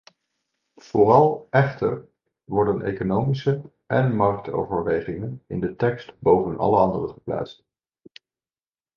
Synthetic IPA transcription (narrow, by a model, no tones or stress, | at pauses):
v̥ʊːrɑlˠɛχtə̰ɹ | ʋɔɹdənʔḛjkonowmisə | ʔɛnmɑɹk̚to̰wvəɹʋejχɪŋənɪ̰ndətɛkstbowvənʔɑ̰ləɑndərəχəpla̰ːtst